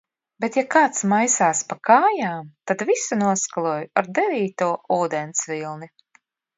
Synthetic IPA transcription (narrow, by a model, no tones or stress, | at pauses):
bet̪jakaːt̪smajsaːspakaːjaːmt̪ad̪visunuɔskalˠuːjuaɾd̪ɛviːt̪uɔuːd̪ɛnt̪svilˠni